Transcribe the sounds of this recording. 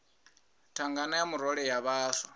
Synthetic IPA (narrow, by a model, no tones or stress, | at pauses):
tʰaŋɡanajamuɾɔɺɛjaβaːsa